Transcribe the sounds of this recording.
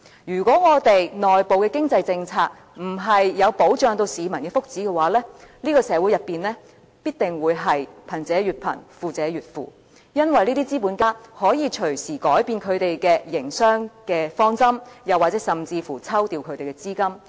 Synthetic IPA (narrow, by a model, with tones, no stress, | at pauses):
jyː˨˩kʷɔː˨˥ŋɔː˨˧t̪e˨jnɔː˨jpo˨wkɛː˧kɪ˥ŋt͡sɐ˧jt͡sɪ˧ŋt͡sʰaː˧k̚ | m̩˨˩ɦɐ˨jːɐ˨˧wpo˨˥wt͡ʃœː˨ŋt̪o˧wsiː˨˧mɐ˨˩nkɛː˧fʊ˥k̚t͡siː˨˥kɛ˧waː˨˥lɛː˥liː˥kɔː˧sɛː˨˧˥wu˨˥jɐ˨pːiː˨nlɛː˥ | piː˥t̚t̪ɪ˨ŋwuː˨˧jɦɐ˨jpʰɐ˨˩nt͡sɛː˨˧ɥyː˨t̚pʰɐ̰˨˩nfuː˨˩t͡sɛː˨˥ɥyː˨t̚fṵː˨ | jɐ˥nwɐ˨jliː˥t̪iː˥t͡siː˥puː˨˥nkaː˥hɔː˨˥jiː˨˧t͡ʃʰɵ˨˩ɥsiː˨˩kɔː˨˥jpiː˧nkʰɵ˨˧ɥt̪e˨jkɛː˧jɪ˨˩ŋsœː˥ŋkɛː˧fɔː˥ŋsɐ˥mjɐ˨wa˨t͡sɛː˨˥sɐ˨mt͡siː˧fuː˨˩t͡sʰɐ˥wt̪iː˧wkʰɵ˨˧ɥt̪e˨jkɛ˧t͡siː˥kɐ˥m